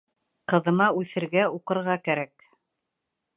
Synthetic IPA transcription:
qɤ̆ðɤ̆mɑʉθɘ̆ɾɡæuqɤ̆ɾʁɑkæɾæk

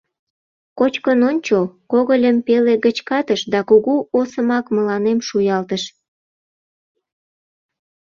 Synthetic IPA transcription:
kot͡ɕkənonʲt͡ɕokoɣəlʲəmpeleɣət͡ɕkɑt̪əʃd̪ɑkuɣuosəmɑkməlɑnemʃujɑlt̪əʃ

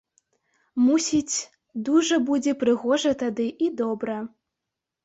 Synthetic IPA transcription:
musʲit͡sʲ | d̪uʐɐbud͡zʲɛpɾɨɣɔʐɐt̪ad̪ɨʔid̪ɔbɾɐ

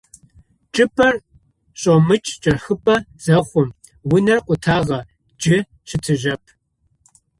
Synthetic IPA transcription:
t͡ʃʼɨpʰɐr | ɕʼomɨt͡ʃʼt͡ʃʼɐrxɨpʼɐz̥ɐχʷʊm | wʊnɐrqʷʼʊtʰaːʁɐ | d͡ʒɪ | t͡ʃʰɪtʰɨʒɐpʰ

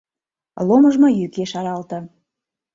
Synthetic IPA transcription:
loməʒmojykeʃɑɾɑlt̪ɤ̆

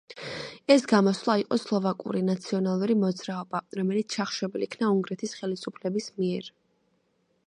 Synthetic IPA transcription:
ɛsɡamɔsvlˠaiqʼɔslˠɔvakʼṵɾinat̪sʰiɔnalˠuɾimɔd̪z̥ɾaɔbaɾɔmɛlit̪sʰt͡ʃʰaχʃɛbilikʰnauŋɡɾɛt̪ʰisχɛlisupʰlɛbismiɛɾ

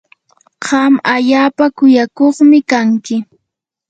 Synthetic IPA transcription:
ɢɑmaʎaːpakʊjakoχmɪkaŋkɪ

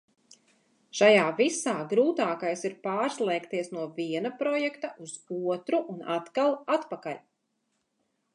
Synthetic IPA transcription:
ʃajaːvisaːɡɾuːt̪aːkajsiɾpaːɾslˠɛːkt̪iɛsnuɔviɛnapɾɔjɛkt̪aʔuz̥uɔt̪ɾuʔuna̰t̪kalˠat̪pakalʲ

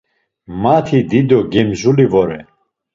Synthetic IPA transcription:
mat̪ʰid̪id̪ɔɡɛmzulivɔɾɛ

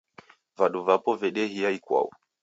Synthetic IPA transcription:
vaɗuvapɔvɛɗɛɦiaikwa̰ṵ

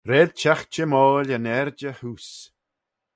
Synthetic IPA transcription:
ɾeːd̪̥̚t͡ʃaxt͡ʃəmɔːlʲənɛɾd͡ʒəhus

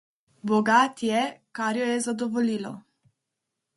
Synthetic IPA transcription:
bɔɡaːt̪jɛkaɾjɔjɛzad̪ɔʋoliːlɔ̰

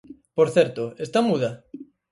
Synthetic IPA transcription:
poɾθeɾt̪oest̪amuð̞a

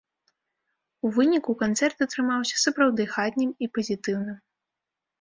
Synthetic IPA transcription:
uvɨnʲikukant̪sɛrt̪ɐt̪ɾɨmawsʲɐ̥sɐpɾawd̪ɨxat̪ʲnʲɨmipɐzʲit̪ɨwnɨm

